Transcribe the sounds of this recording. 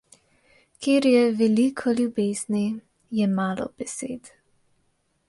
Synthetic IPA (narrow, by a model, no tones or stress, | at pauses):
kʰeːɾjɛʋɛlikʰɔljubeːz̥ni | jɛmaːlɔ̰b̥ɛsḛːt̪